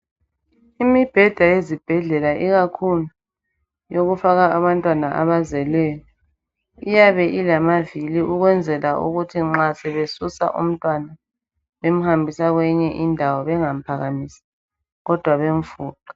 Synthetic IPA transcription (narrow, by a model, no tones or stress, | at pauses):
imib̥ʱɛd̥ʱajezib̥ʱɛɮɛlaʔiɣakʰulu | joɣufaɣaaβantʼwanaʔa̰βazɛlɛjɔ | ijaβɛʔilamaviliʔuɣwɛnd͡zʱɛlaʔṵɣutʰiŋ͡ǁasɛβesusa̰ʔṵm̩tʼwana | βem̩hambʱisaɣwɛɲɛʔindʱawɔβɛŋam̩pʰaɣamisḁ | ɣɔd̥ʱwaβeɱfuːǃḁ